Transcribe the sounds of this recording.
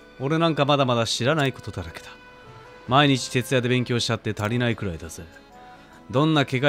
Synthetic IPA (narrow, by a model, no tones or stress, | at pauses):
o̞ɾe̞nãŋkamad̪amad̪aɕiɾanaiko̞t̪o̞t̪aɾaked̪̥ḁ | maiɲ̟it͡ɕi̥t̪e̞t͡sɨjad̪e̞bẽ̞ŋkʲo̞ːɕi̥t͡ɕat̪ːe̞t̪aɾʲinaikɯ̟ɾaid̪azɨ | d̪õ̞nːake̞ɡa